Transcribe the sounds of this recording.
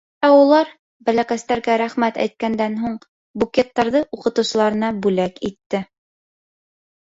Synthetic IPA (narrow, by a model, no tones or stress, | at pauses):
æulˠɑɾ | bælækæst̪æɾɡæɾæχmæt̪æ̰jt̪̚kænd̪ænɦuɴ | bukʲet̪ːɑɾðɤʔuqɤ̆t̪ɤ̆wsɤ̆lˠɑɾɤ̆nɑbʉlækit̪ːɘ